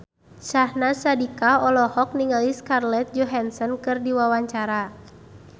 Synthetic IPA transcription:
ʃahnasadikaɔlɔhɔk̚niŋaliskarlɛt̪̚d͡ʒɔɦansɔnkɨrdiwawaɲt͡ʃaɾa

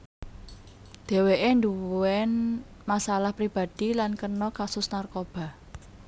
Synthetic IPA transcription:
d̪̥e̤weʔend̪uɛn | masalahpɾib̥a̤d̪̥i̤lankənɔkasʊsnarkob̥a̤

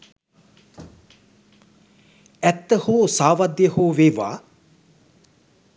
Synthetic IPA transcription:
æt̪ːəhoːsaːʋad̪jəhoːʋeːʋa̰ː

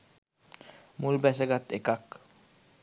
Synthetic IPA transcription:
mulbɛseɡat̪ekak

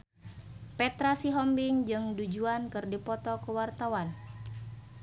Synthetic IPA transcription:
pɛt̪ɾasiɦɔmbiŋd͡ʒɨŋdud͡ʒuankɨrdipɔt̪ɔkəwart̪awan

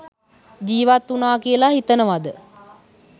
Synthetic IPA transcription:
d͡ʒiːʋat̪unaːkijəlaɦit̪ənəʋad̪ə

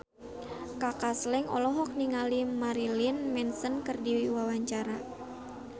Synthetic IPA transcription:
kakaslɛŋɔ̰lɔɦɔk̚niŋalimaɾilinmɛnsənkərdiwiwawaɲt͡ʃaɾa

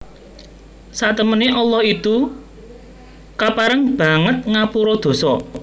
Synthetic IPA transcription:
saʔt̪əməneʔɔlːɔhit̪u | kapaɾəŋb̥ä̤ŋət̪̚ŋapuɾɔd̪̥o̤sɔ

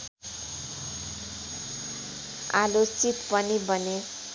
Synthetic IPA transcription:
alot͡sit̪pʌnibʱʌne

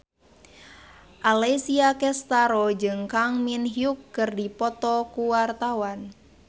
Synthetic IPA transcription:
ʔalesiakɛst̪aɾɔd͡ʒɨŋkaŋminɦiukːɨrdipɔt̪ɔkuwart̪awan

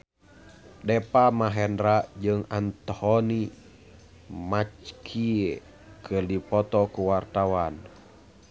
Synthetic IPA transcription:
dɛpamaɦɛndɾaʔd͡ʒɨŋant̪ɔhɔni | mat͡ʃkʰie | kʰərdipɔt̪ɔkuwart̪awan

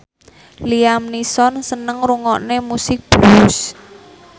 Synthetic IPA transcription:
liamnisɔnsənəŋɾuŋɔʔnemusɪk̚b̥us

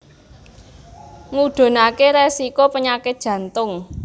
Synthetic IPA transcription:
ŋuɖ̪̥o̤nakeɾesikopəɲakɪt̪̚ʒ̥ä̤nt̪ʊŋ

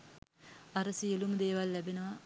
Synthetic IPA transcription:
aɾəsielumd̪eːʋalːæbenəʋa

